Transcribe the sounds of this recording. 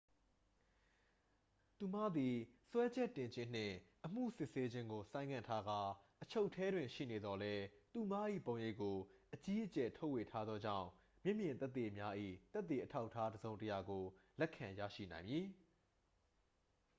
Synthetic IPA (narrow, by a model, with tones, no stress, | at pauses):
t̪u˨mä̰˦˨d̪i˨swɛ˦d͡ʑɛ˦˨tːɪ̃˨ɲd͡ʑɪ̃˦n̥ɪ̰̃˦˨ʔəm̥ṵ˦˨sɪ˦ʔse˦d͡ʑɪ̃˦ŋɡo˨sã˦ɪ̃ŋã˨ntʰa˦ɡa˦ʔət͡ɕʰo˦ʊʔtʰːɛ˦dwɪ̃˨ɲʃḭ˦˨ne˨d̪ɔ˨lɛ˦t̪u˨ma˦ʔḭ˦˨põ˨˦ʊ̃je˦˨ʔkːo˨ʔət͡ɕi˦ʔət͡ɕɛ˨tʰo˦ʊwe˨tʰa˦d̪ðɔ˦d͡ʑã̰˦˨ʊ̃ | mjɪ˦ʔmjɪ̃˨nt̪ɛ˦t̪ːe˨ʔəmja˦ʔḭ˦˨t̪ɛ˦t̪ːe˨ʔətʰa˦ʊʔtʰːa˦dəzõ˨ʊ̃ntəja˨ɡo˨lɛ˦ʔkʰːã˨jä̰˦˨ʃḭ˦˨nã˨ɪ̃mji˨